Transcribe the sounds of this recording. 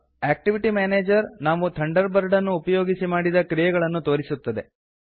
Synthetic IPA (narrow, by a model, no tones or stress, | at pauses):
aːk̚ʈiʋiʈimaːneːd͡ʒɐɾnaːʋut̪ʰɐɳɖɐɾbɐɾɖɐnːuːpɐjo̞ːɡisimaːɽid̪ɐkɾijɛɡɐɭɐnːut̪o̞ːɾisut̪ːɐd̪e̞